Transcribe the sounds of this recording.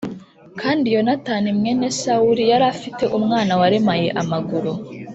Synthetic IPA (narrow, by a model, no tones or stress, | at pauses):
kʰaːndijo̞natanimŋe̞ne̞sauɾijaɾafite̞ʔumŋaːnawaɾe̞maje̞ʔamaɡuɾu